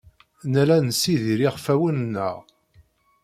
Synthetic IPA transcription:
nælænsiðiɾiʁfæwənnːə̰ʁ

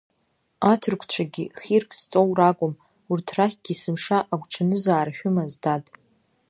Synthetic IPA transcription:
atʰɨrkʷʰt͡ɕʷʰaɡʲiχʲirkʼst͡sʼowrakʷʼʊm | urtʰraχʲɡ̥ʲisɨmʂaʔaɡʷʈ͡ʂʰanɨzaːɾaʃᶣʊmazdatʼ

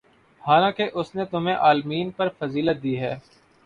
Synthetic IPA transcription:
haːlãːkeʔʊsnet̪ʊm̤ẽʔaːlmiːnpɐɾfɐziːlət̪̚d̪iːɦɛː

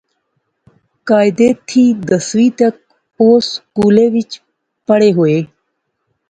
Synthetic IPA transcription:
kaːɪd̪eːt̪ʰːiːd̪əsʋiːt̪ək̚ | oːskuːleːʋɪt͡ʃ | pəɽeːɦoːeː

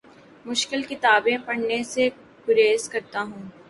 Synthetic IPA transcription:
mʊʃkɪlkɪt̪aːbẽpɐɽ̤nese | ɡʊɾeːzkɐɾt̪aɦũː

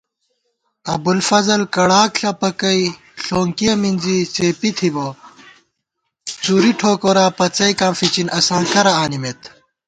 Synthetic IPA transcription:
ɐbulfɐzɐlkɐɽaːkɬɐpɐkɐi | ɬoːŋkijɐminzit͡seːpit̪ʰibo | t͡suːɾiʈʰoːkoːɾaːpɐt͡sɐjkaːmfit͡ɕinʔɐsaːnt̪ʰɐɾɐaːnimet̪

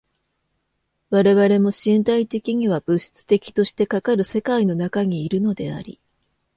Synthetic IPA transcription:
βaɾe̞βaɾe̞mo̞ɕĩnt̪ait̪e̞kʲiɲ̟iβabɯ̟ɕi̥t͡sɨ̥t̪e̞kʲi̥t̪o̞ɕi̥t̪e̞kakaɾɯ̟se̞kaino̞nakaɲ̟iːɾɯ̟no̞d̪e̞a̰ɾʲḭ

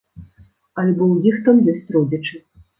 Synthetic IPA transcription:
ɐlʲbɔwjixt̪amjʲɔsʲt͡sʲrɔd͡zʲɐt͡ʂɨ

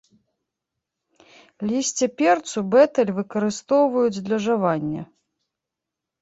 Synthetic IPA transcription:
lʲisʲt͡sʲɛpʲɛrt̪subɛt̪ɐlʲvɨkɐɾɨst̪ɔwvɐjud͡zʲd̪lʲɐʐavanʲːɐ

